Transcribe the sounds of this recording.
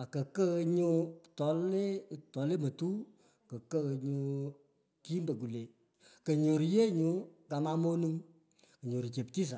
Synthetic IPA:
a˨kə˨kə˦˧ɲu˧tɔ˨˦le˦˨tɔ˨˦le˦mə˨tu˦ | kə˨kə˦˧ɲu˧ | ki˦mbə˨ɡ̬u˨le˨ | kə˨ɲo˨ɾi˨je˦ɲu˨˦ka˨ma˧mo˦nu˧ŋ | kə˨ɲo˨ɾi˨t͡ʃe˨pti˦s̬a˨

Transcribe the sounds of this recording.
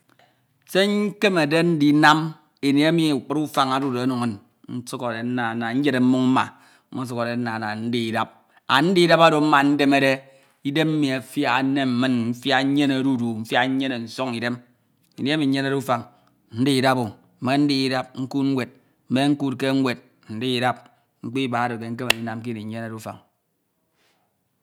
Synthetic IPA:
se˦ŋ̩˦ke˦me˨de˦n̩˦di˨˦na˦m | e˨ne˨a˦mi˨u˨k͡pu˦ɾu˦fa˨ŋa˦du˦do˨a˦nu˨ŋe˦˨n | n̩˦su˦ko˨de˨n̩˦na˨na˨n̩˦d͡ʒe˦ɾe˨m̩˦mu˦ŋm̩˦ma̰˨˦ | o˦su˦ko˨ɾe˨n̩˦na˨na˨n̩˦di˨i˨da˦p̚ | a̰˨n̩˦di˦i˦da˦ba˦do˨m̩˦ma˨n̩˦de˦me˦de˦ | i˦de˦mm̩˦mi˨a˨fja˦a˨˦ne˦m̩˨mɨ˦nm̩˦fja˦ɲe˦ne˨ɾu˦du˨m̩˦fja˦ɲ̩˦ɲe˦ne˨n̩˨so˦ŋi˨de˦m | i˨ni˦mi˨˦ɲe˦ne˦ɾu˦fa˨ŋ | n̩˦di˦i˨da˦bo˨ | m̩˨me˦n̩˦di˦i˦da˦p̚ŋ̩˦ku˦tŋ̩˦wʷe˨t̚ | m̩˦me˦ŋ̩˦ku˦t̚ke˦ŋ˦wʷe˨t̚ | n̩˨di˦i˨da˦p̚ | ŋ͡m̩˦k͡pi˦i˦ba˨˦do˨ke˨ŋ̩˦k̬e˦ma˨ni˦na˨mk̬i˦ni˨ɲ˦ɲe˦ne˦˨ɾu˦fa̰˨ŋ

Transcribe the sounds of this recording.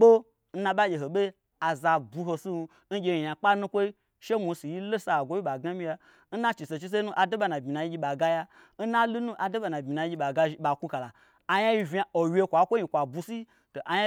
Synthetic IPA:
ɓo˦ | n̩˦nã˧ɓa˦ɡʲe˨ɦo˨ɓe˦ | a˨za˧bu˧ɦo˧si˦˧ | n̩˦ɡʲe˧i˨ja˨k͡pa˦nũ˦kʷo˦i˦ | ʃe˦mu˨˧si˨ji˦lo˦sa˧˨ɡʷo˦i˦ɓa˨ɡa˦mʲi˧ja˧ | n̩˦na˦t͡ʃi˨se˨t͡ʃi˦s̬e˦nu˦ʔa˨do˦ɓa˧na˨bmi˨na˨ji˦ɡʲi˧˦ɓa˨ɡa˦ja˦ | n̩˦na˦lu˦nũ˦ʔa˨do˦ɓa˨na˨bʲmi˨na˨i˦ɡʲi˧ɓa˨ɡa˦i˦ɓa˨ku˦ka˨la˨ | a˨ja˦ji˦vʲa˨o˨wʲe˧kʷa˨˦kʷo˦i˧˨kʷa˨bu˧si˦ | to˨ʔa˨ja˦

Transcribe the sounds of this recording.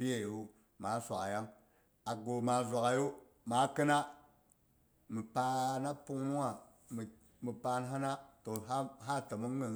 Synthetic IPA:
i˦je˦˨ju˦ | ma˨˦sʷa̰˨ka̰˨ja˦ŋ | a˨ɡo˨ma˨zʷa˨ka˨ju˦ | ma˨˦kɨ˦na˦ | mi˨pa˦na˦pu˦ŋmu˦a˨ | m˨ | mi˨pa˨n˦ɦa˦na˦to˨˦ɦa˦tə˨mə˦ŋː˦ə˨

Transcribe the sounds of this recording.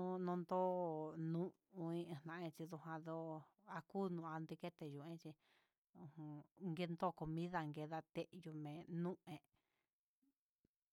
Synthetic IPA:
ũ˦˧nõ˧nd̪o˦˨nũ˦ | ũ˧ĩ˧ẽ˧˨nã˧ʔẽ˧t͡ʃi˧ðu˧hã˧ðo˦a˧kuː˦nũ˧˨˧a˧nd̪i˧ke˦t̪e˧jũ˨ẽ˦t͡ʃi˧ | ũ˧hũ˧ŋɡe˧nd̪o˦˨ko˨mĩ˦ða˧ŋɡe˧ða˧t̪e˦ʔju˧mẽ˨nũ˦ẽ˨

